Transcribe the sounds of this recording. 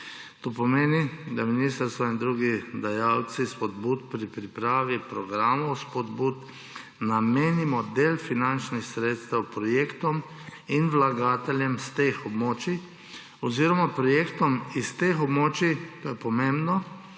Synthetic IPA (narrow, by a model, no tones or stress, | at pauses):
t̪oːpɔmeːnid̪aminist̪əɾst̪ʋaind̪ɾuːɡid̪ajaw̪sispɔd̪buːt̪pɾipɾipɾaːʋipɾɔɡɾaːmɔwspɔd̪buːt̪ | nameːnimɔd̪eːlfinant͡ʃnixsɾeːt̪st̪ɛwpɾɔjeːkt̪ɔm | inʋlaɡaːt̪ɛljɛmst̪exɔbmoːt͡ʃi | ɔziːɾɔmapɾɔjeːkt̪ɔmist̪exɔbmoːt͡ʃit̪oːjɛpɔmẽmbnɔ